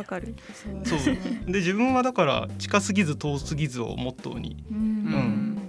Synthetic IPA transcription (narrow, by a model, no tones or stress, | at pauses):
akaɾɯsoːd̪e̞ʑibɯ̟̃ɰ̃βad̪akaɾa̰t͡ɕi̥kasɨɡʲizɨt̪o̞ːsɨɡʲizɨo̰mot̪ːo̰ɲ̟ḭɯ̟̃ɴ